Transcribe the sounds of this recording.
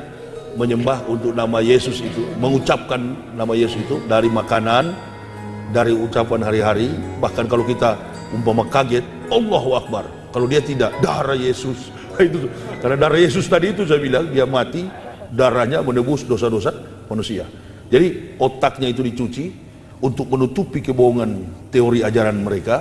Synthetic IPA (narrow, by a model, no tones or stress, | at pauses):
məɲəmbaɦunt̪ʊk̚namajesʊsit̪uməŋut͡ʃap̚kanː | amajesʊsit̪udaɾimakanan | daɾiut͡ʃapanɦaɾiɦaɾibahkankalokit̪a | umpamakaɡɛt̪̚ | ɔlːɔɦwak̚bar | kalowdiat̪idaʔ̚daɾajesʊs | it̪ukarnadaɾajes̬ʊst̪adiːt̪̬us̬ajabilaŋdiamat̪idaɾahɲamənəbʊsdosadosa | manusia̰ | d͡ʒadiɔt̪ak̚ɲait̪̬udit͡ʃut͡ʃi | unt̪ʊk̚mənut̪upikəboɦɔŋant̪ɛoɾiad͡ʒaɾanməɾeka